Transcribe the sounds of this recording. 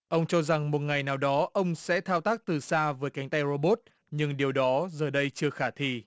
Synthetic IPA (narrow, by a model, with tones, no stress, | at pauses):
ʔə˧wŋ͡mt͡ɕɔ˧za˨˩ŋmo˨˩t̚ŋa˨˩jnaː˨˩wɗɔ˨˦ʔə˧wŋ͡msɛ̰˧˥t̪ʰaː˧wt̪aː˦˥k̚t̪ɨ˨˩saː˧vəː˨˦jka˨˦jŋ̟t̪a˧jzo˧ɓo˦˥t̚ | ɲɨ˧ŋɗi˨˩əwɗɔ˨˦zəː˨˩ɗə˧jt͡ɕɨ˧əxaː˧˩t̪ʰi˧˩